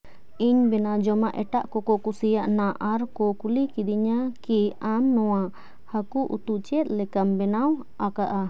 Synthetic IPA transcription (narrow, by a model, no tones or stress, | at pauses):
iɲbɛnad͡ʒɔmaʔɛʈaʔkɔkɔkusijaʔnaʔaɾkɔkulikid̪iɲakiamnɔwa | hakuʔṵt̪uʔt͡ʃɛt̪̚ˀlɛkambɛnaw | akaʔa